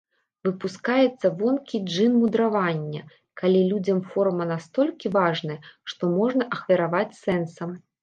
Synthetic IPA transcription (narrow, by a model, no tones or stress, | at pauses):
vɨpuskajɛt̪sːɐvɔnkʲid͡ʐɨnmud̪ɾavanʲːɐ | kalʲilʲud͡zʲɐmfɔrmɐnast̪ɔlʲkʲivaʐnɐjɐʂt̪ɔmɔʐnɐʔɐxvʲɐɾavat͡sʲsɛnsɐm